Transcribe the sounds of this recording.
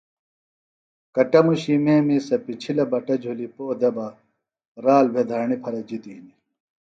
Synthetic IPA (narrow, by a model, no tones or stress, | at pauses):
kɐʈɐmuɕimeːmisɐpit͡ɕʰilɐbɐʈɐd͡ʑʱulipoːd̪ebɐ | ɾaːlbʱed̪ʱɐːɳipʰɐɾɐd͡ʑit̪ini